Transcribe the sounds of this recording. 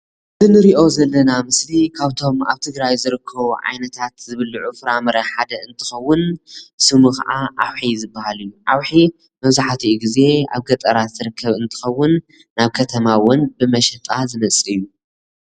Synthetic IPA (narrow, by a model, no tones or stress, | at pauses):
zɨnɨɾiʔo̞zɐlːɐnamɨslikʰaβt̪ʰo̞ma̰βt̪ʰɨɡɾajzɨɾɨkʰːɐβʕa̰jnɐt̪ʰat̪zɨβɨlːuʕufɨɾamɐɾɐħad̪ɐɨnt̪ʰɨ̥xɐwːʊnsɨmuka̰ʔaʔawħizɨbːahalɨjːuʕawħi | mɐβzaħt̪ʰiʔuɡize̞a̰βɡɐt̪ʼɐɾat̪zɨɾɨkʰːɐβɨnt̪ʰɨ̥xɐwːʊnː | aβkʰɐt̪ʰɐmawʊnbɨmɐʃɐt̪ʼazɨmɐt͡sʼɨjːu